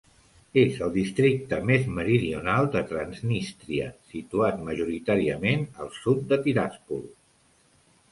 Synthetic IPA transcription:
ezəlˠd̪ist̪ɾik̚t̪əmezməɾiðiunalˠd̪ət̪ɾənznist̪ɾiə̰sit̪uat̪məʒuɾit̪aɾiəmenəlˠsut̪̚d̪ət̪iɾaspulˠ

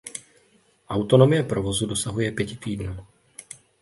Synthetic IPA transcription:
ʔawt̪o̞no̞mɪjɛpɾo̞vo̞zudo̞saɦujɛpjɛcɪt̪iːdnuː

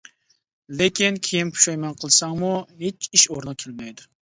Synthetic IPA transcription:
lekʲinkʲʰejimkʰu̥ʃɛjmɛnqʰəlˠsɑŋmuɦet͡ʃiʃoɾnɨkʲʰelmɛjd̪ʊ

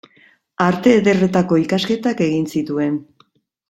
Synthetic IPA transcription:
aɾt̪e̞ːðe̞re̞t̪ako̞ikaske̞t̪ake̞ɣinsit̪ue̞n

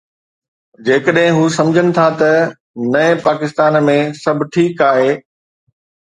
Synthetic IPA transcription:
d͡ʑeːkəɗɦɪ̃ɦuːsɐ̃md͡ʑʱəɽ̃ɪ̆t̪ʰat̪ɐ | nɐẽpaːkɪst̪aːnmẽsɐbʱɪ̆ʈʰiːkaːɦeː

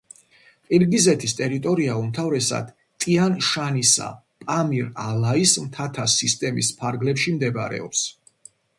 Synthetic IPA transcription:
pʼiɾɡizɛt̪ʰist̪ʼɛɾit̪ʼɔɾiaumt̪ʰavɾɛsa̰d̪̥ | t̪ʼianʃanisa̰ | pʼamiɾalaismt̪ʰat̪ʰasist̪ʼɛmḭspʰaɾɡlɛpʃimd̪ɛba̰ɾɛ̰ɔps

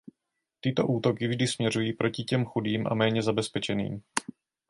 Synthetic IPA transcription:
t̪ɪt̪o̞̰ʔuːt̪o̞kɪvʒdɪsmɲɛrujiːpɾo̞cɪcɛmxudiːmʔa̰mɛːɲɛzabɛspɛt͡ʃɛnḭːm

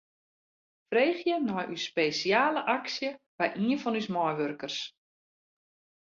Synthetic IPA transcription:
freːχjənɔjʔyspejsiaːləʔaksjə | ʋɛjʔiənfɔnysmɔjʋørkərs

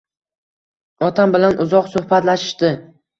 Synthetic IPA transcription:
ɒt̪ʰambɪlanʔʊzɒqsʊhbat̪laʃɪ̥ʃt̪ɪ

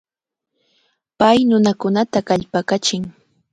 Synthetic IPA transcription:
pajnʊnakʊnat̪akaʎpakat͡ʃɪŋ

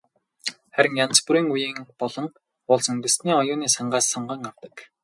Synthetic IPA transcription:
χæɾʲɪ̆ŋjant͡spuɾiːŋujiːŋpɔɮɞ̆ŋ | ʊːɮsɵŋɡɘ̆sniːɔjʊːniːsaɴɢaːsːɔɴɢə̆ŋaw̥t̪ə̆k

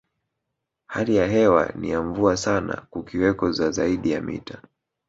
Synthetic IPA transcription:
halijaɦɛwa̰nḭjaɱvuasana̰kukiwɛkɔzazaiɗijamḭta

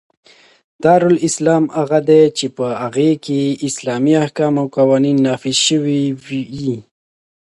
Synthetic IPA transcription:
t̪ɑɾʊlɪslɑmaɣad̪et͡ʃepəaɣekeɪslɑmiahkɑmawqawɑninːɑfizʃəwiji

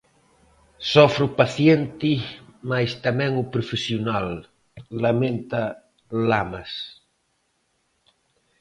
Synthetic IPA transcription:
sɔfɾʊpaθjent̪ɪmajst̪amɛ̃ŋʊpɾofesjonalː | amẽnt̪ɐ | lamas

